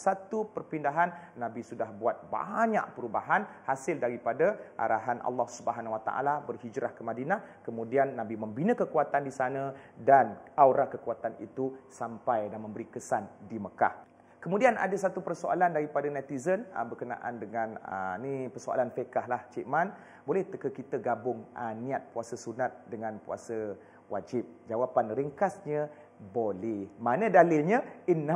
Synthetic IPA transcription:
sat̪upərpindaɦanːãbisudahbuat̪̚ba̰ɲa̰ʔpəɾubaɦanhasɪldaɾipadaʔa̰ɾʔa̰ɦanʔɑ̰lːɔhsubəɦanwat̪a̰ʔa̰labərhid͡ʒɾʔahkəmadinahkəmũdianːãbiməmbinə̃kəkuat̪andisanə̃danawɾakəkuat̪anḭt̪usampajdanmə̃mbəɾikəsandiməka̰h | kəmudiana̰dəsat̪upərsoʔa̰landaɾipadanat̪izənə̰mbərkənã̰ʔa̰ndəŋãnə̰nipərsoa̰lanfəkaɦlaht͡ʃiʔman | bolɛht̪əkəkit̪əɡabʊŋanĩat̪̚puasəsunat̪̚dəŋanpua̰sə | wad͡ʒɪp̚d͡ʒawapanrəŋkasɲə | bolɛmanə̃dalɪlɲə̃inːa

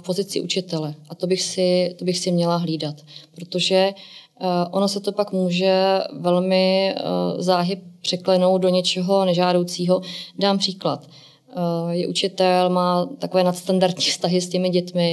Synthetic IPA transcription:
po̞zɪt͡sɪ̰ʔut͡ʃɪt̪ɛlɛʔat̪o̞bɪxsɪt̪o̞bɪxsɪmɲɛlaɦliːdat̪pɾo̞t̪o̞ʒɛ | ʔo̞no̞sɛt̪o̞pakmuːʒɛvɛlmɪ | zaːɦɪp̚pr̥ɛklɛno̞wt̪do̞ɲɛt͡ʃɛɦo̞nɛʒaːdowt͡siːɦo̞daːmpr̥iːklat̪ | jɛʔut͡ʃɪt̪ɛlmaːt̪ako̞vɛːnat̪st̪andaɾt̪ɲiːfst̪aɦɪscɛmɪɟɛt̪mɪ

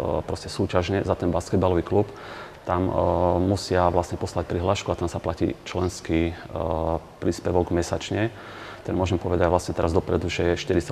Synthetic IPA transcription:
pɾɔscɛsuːcaʒɲɛzat̪ɛnbaːskɛd̪balɔʋiklup | t̪ammusɪaʋlasɲɛpɔslac̚pɾiɦlaːʃkuat̪ɛnsaplacḭt͡ʃlɛnski | pɾiːspɛʋɔɡmɛsat͡ʃɲɛ | t̪ɛnmʊɔʒɛmpɔʋɛd̪aɟʋlasɲɛt̪ɛɾazd̪ɔpɾɛd̪uʒɛʃt̪iɾit͡sa

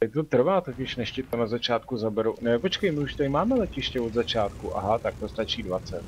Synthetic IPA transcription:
t̪ot̪r̩vaːt̪o̞cɪʃnɛʃcɪt̪anazat͡ʃaːt̪kuzabɛɾownɛpot͡ʃkɛjmɪuʃt̪aɾɪmaːmɛlɛcɪʃcɛod̪zat͡ʃaːt̪kuʔa̰ɦat̪ak̚t̪ost̪at͡ʃiːdvat͡sɛt̪

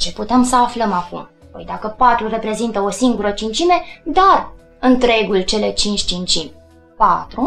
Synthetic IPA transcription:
t͡ʃe̞put̪e̞msəafləmakum | pojd̪akəpat̪ɾure̞pɾe̞zint̪əo̞siŋɡuɾət͡ʃint͡ʃime̞d̪ar | ɨnt̪ɾe̞ɡult͡ʃe̞le̞t͡ʃint͡ʃʲt͡ʃint͡ʃim | pa̰t̪ɾu

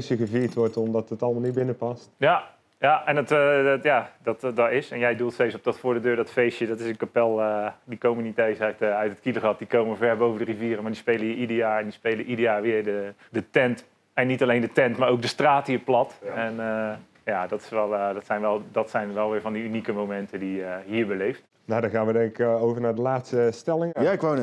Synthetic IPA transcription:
səɣəviːətʋɔɹtɔmdɑtətɑlˠəmalˠnibɪnəpɑstja | jaɛndɔtjadɔtdɔtɪsɛnjɛjdulˠtstejsop̚dɔtfʊːɹdədøːɹdɔtfejsjədɔtɪsənkapɛlˠədikowmənitejsɛtœtət̚kiləχɑt̚dikowməəvɛɹbowvəndəriviːrəmaːɹdispejləəidəjaːɛndispejləʔidəjaːʋɪəɹdədətɛnt | ɛnitalejndətɛntmaːɹowk̚dəstraːtɦiːɹplɑtɛnə | jaːdɔtɪ̥sʋɛlˠdɔtsɛjnʋɛlˠdɑtsɛjnʋɛlˠʋɪːɹvɑndiynikəmowmɛntədiəɦiːɹbəlejft | nadɔχaːnʋədɛŋkɪkowvəɹnaːɹdəlaːtstəstɛlɪŋkʋo

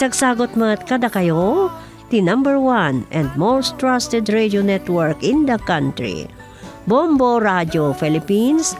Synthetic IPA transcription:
t̪ɐɡsaːɡot̪̚mɐt̪̚kɐd̪akɐjo | t̪inãmbɛɹwanʔɛ̃nd̪̚most̪ɹast̪ɛd̪ɹed͡ʒonɛt̪wɛɹkɪ̃nd̪ɐkãnt̪ɹḭ | bomboɾad͡ʒofɛlɪpins

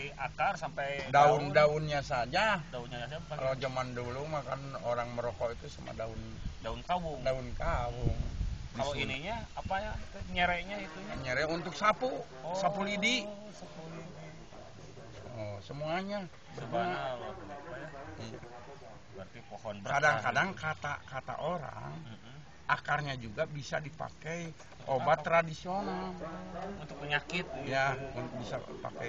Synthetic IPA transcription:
akarsampejdaundaunɲasad͡ʒadaunɲaaabka̰lod͡ʒamandulumakanoɾaŋməɾokɔit̪usama̰daʊndaunkawudaunkawuŋaloiniɲaapajait̪uɲəɾɛʔɲait̪uɲaɲəɾɛunt̪ʊksapu | sapulidi | sapulidi | ɔsəmuaɲa | bərbaŋa | jija̰ | bərt̪ipohɔnbəɾkadaŋkadaŋkat̪a̰kat̪a̰ʔoɾa̰ŋ | ʔakarɲad͡ʒuɡabisadipa̰kɛj | obatt̪ːɾadisionalunt̪ʊk̚pəɲakɪt̪̚jaṵnk̚bisa̰pa̰kɛj

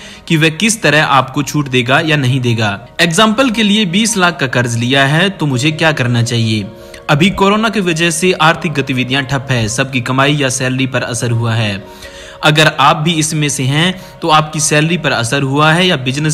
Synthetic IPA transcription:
kiʋɛkɪst̪ɐɾəɦa̰ːpkot͡ʃʰuːʈd̪eːɡajanɐɦĩd̪eːɡaː | eːkzãːmpəlkeliebiːslaːkʰːakɐɾzlijaɦɛt̪omʊd͡ʒʱekjaːkɐɾnat͡ʃaːɦieː | ɐbʱikoːɾoːnakiʋɐd͡ʒəɦseʔaːɾt̪ʰɪk̚ɡɐt̪iʋɪd̪ʱjãʈʰɐpɦɛ̃ːsɐb̚kikɐmaːijasɛːlɾipɐɾɐ̰səɾɦuaɦɛː | ɐɡəɾaːp̚bʱiɪsmẽseɦɛ̃ | t̪oaːp̚kisɛːləɾipɐɾɐsəɾɦuaɦɛjabɪd͡ʒnəs

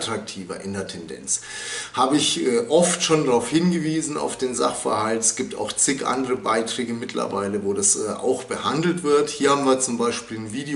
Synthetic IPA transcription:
tʁ̥ak̚tʰiːvɐ̰ʔɪndeːɐtʰɛndɛ̰nt͡s | haːbəɪçʔɛːʔɔftʃoːndaʁaʊfhɪnɡəviːzn̩a̰ʊfd̥eːnza̰χfɐ̰ɐhaltɛsɡ̥iːp̚tʰa̰ʊxt͡sɪkʔa̰ndəʁəba̰ɪtʁ̥ɛːɡəmɪtʰlɐ̰vaɪləvoːdasɛ̰ːʔa̰ʊxb̥əhandl̩tv̥ɪɐthiːɐhaːbm̩nviːɐt͡sʊmbaɪʃpiːlnviːde

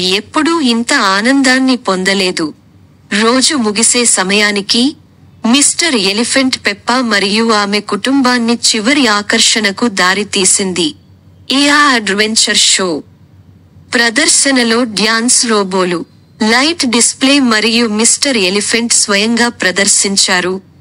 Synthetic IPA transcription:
e̞pːuɽuint̪ɐaːnɐnd̪aːnːipond̪ɐle̞ːd̪u | ɾo̞ːd͡ʒumuɡise̞ːsɐmɐjaːniki | misʈɐɾe̞lipʰeɳʈpɛpːɐmɐɾijuaːme̞kuʈumbaːnːit͡ʃiʋɐɾiaːkɐɾʂɐnɐkud̪aːɾit̪iːsind̪i | iaːɐɖʋe̞ɲt͡ʃɐɾʂo̞ː | pɾɐd̪ɐɾʃɐnɐlo̞ːɖjaːnsɾoːbo̞ːlu | lɐjʈɖispleːmɐɾijumisʈɐɾelipʰeɳʈsʋɐjɐŋɡaːpɾɐd̪ɐɾʃiɲt͡ʃaːɾu

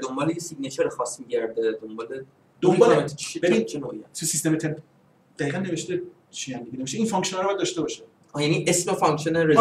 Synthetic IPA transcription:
d̪o̞mbɒːlejesiɡnæt͡ʃʰeɾexɒːsmiɟæɾd̪ed̪ombɒːle | d̪̥ombɒlbevint͡ʃenoːḭsusist̪emet̪ʰen | d̪̥æiːɣænːe̞veʃt̪e | ʃijænd̪eɡiːneveʃt̪eiːnfɔŋkʃonɑɾbɒjæd̪d̪ɒʃt̪e̞bɒːʃe | jæniʔesmefɑŋkʃoneɾe

